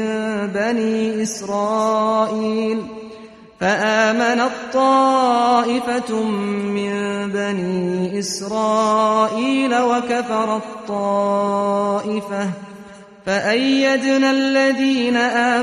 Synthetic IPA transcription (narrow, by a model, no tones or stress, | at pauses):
baniːʔɪsɾˤɑːʔiːl | faʔaːmanat̪ˤːɑːʔɪfa | mɪnbaniːʔɪsɾˤɑːʔiːlawakafɑɾˤɑt̪ˤːɑː | ʔɪfa | faʔajːad̪nalːaðiːnaʔaː